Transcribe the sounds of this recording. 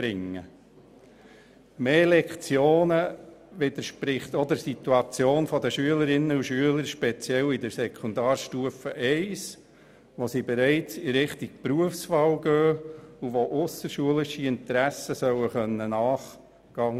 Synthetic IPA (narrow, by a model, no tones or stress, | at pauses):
b̥ɾɪŋːə̰ | meːlɛkχt͡sjoːnəʋɪd̪əɾʃpɾɪχtɔd̪əɾsit̪uɑt͡sjoːnfɔd̪əʃyələɾɪnːəuʃyələɾʃpɛt͡sjɛlidəɾsɛkʰʊnd̪ɑːɾʃtuəfəʔɛɪs | ʋosibɛɾɛɪt͡siɾɪχtiɡ̚pɾuəfsfɑwɡøːuʋoʔʊsəʃuəlɪʃiɪnt̪əɾæsəsœwəχœnːənɑːχ | ɡ̥ɑŋ